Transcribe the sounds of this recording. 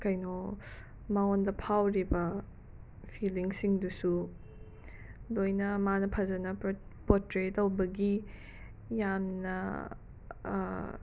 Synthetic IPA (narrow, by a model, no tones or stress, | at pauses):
kɐjno | maɔndɐpʰawɾibɐ | pʰiliŋsiŋdusu | dojnɐmanɐpʰazɐnɐpɔtɾetɐwbɐɡi | jamnɐ̰